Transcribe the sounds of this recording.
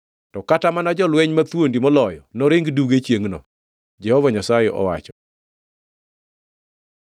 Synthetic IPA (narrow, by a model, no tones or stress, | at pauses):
tɔkatamanad͡ʒɔlwɛɲmat̪wondimɔlɔjɔnɔɾɪŋɡduɡet͡ʃjeŋnɔ̰ | d͡ʒɛhɔvɔɲasajɛʔɔ̰wa̰t͡ʃɔ̥